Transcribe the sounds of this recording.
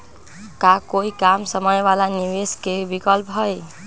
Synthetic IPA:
kakoikamsəməjʋalaniweskebikɔlpɦɔj

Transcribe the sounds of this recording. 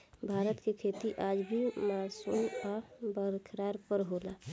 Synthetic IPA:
bʱaːɾət̪kekʰeːt̪iʔaːd͡ʒbʱimaːsuːnabəɾkʰɾaːɾpəɾɦoːlaː

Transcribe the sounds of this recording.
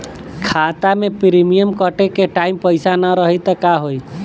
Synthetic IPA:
kʰaːt̪amẽpɾimijəmkəʈekeʈaːimpəɪsanaɾəɦit̪əkaɦoi

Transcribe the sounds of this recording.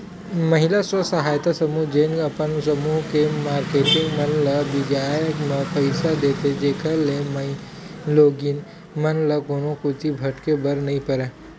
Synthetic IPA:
mɐɦɪlaswəsɐɦaːjt̪asɐmuːɦd͡ʒeːnɐpənsɐmuːɦkemaːɾkeːʈɪ̃ŋɡmɐnlɐbɪd͡ʒaːjəkmẽpəɪsad̪eːt̪ed͡ʒeːkʰəlemɐ | loːɡin | mɐnlɐkoːnõkʊt̪ibʱɐʈkebɐɾnɐĩpɐɾeː

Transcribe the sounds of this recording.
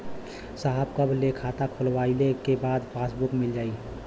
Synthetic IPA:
saɦəbkəblekʰat̪akʰolʋailekebaːd̪pʰasbukmɪld͡ʒaːi

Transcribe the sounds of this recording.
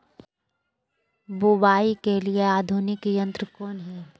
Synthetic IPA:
bubaːikelieaːd̪ʱunɪkjə̃nt̪ɾəkoːnɦi

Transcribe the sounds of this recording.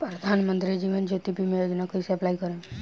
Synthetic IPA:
pɾɐd̪ʱanmənt̪ɾid͡ʒiʋənd͡ʒot̪ibʱimẽjoːd͡ʒnakəiseɐplaikəɾẽ

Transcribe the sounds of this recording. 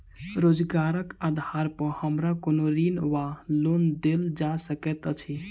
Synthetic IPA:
ɾod͡ʒɡaɾəkad̪ʱaɾpəhəmɾakonoɾinwalond̪eld͡ʒasəkɛt̪t͡ʃʰi

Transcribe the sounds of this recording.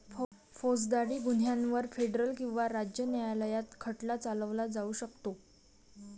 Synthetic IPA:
fod͡zd̪aɽiːɡun̤jãnʋəɾfeɖɾəlkĩw̃ʋaɾad͡ʑjənjajaləjat̪kʰəʈlat͡saləʋlad͡zauɕəkt̪o

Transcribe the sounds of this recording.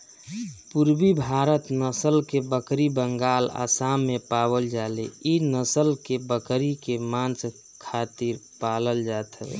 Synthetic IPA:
puɾbibʱaɾət̪nəsəlkebəkɾibəŋɡaːla̰samːepabəld͡ʒaleinəsəlkebəkɾikemãnt͡ʃ | kʰat̪iɾpaləld͡ʒat̪ʰə

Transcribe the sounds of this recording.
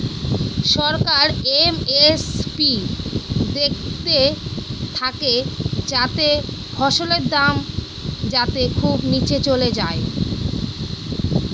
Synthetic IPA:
ʃɔɾkaɾemespi | d̪ek̚ʰt̪et̪ʰaked͡ʑat̪e | fʰɔʃoleɾd̪am | d͡ʑat̪ekʰubnit͡ɕet͡ɕoled͡ʑae

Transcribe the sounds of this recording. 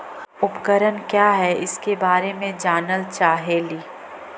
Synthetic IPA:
ʊpkəɾənkjaːɦɛɪskebaːɾemẽd͡ʒaːnəlt͡ʃaːɦeːliː

